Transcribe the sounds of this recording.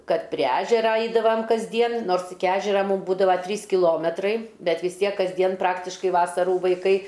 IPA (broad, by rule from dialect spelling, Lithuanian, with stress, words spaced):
ˈkɐt pʲrʲiɛ ˈæːʒʲɛrɐ ˈɐɪdɐʋɐm kɐzʲˈdʲiɛn ˈnoːrs ɪkʲɪ ˈɑːʒʲɛrɐ ˈmuːm ˈbuːdɐʋɐ ˈtʲrʲiːs kʲɪˈlˠoːmʲɛtrɐɪ ˈbʲɛt ʋʲɪs ˈtʲiɛk kɐzʲˈdʲiɛn ˈprɑːktʲɪʃkɐɪ ˈʋɑːsɐruː ʋɐɪˈkɐɪ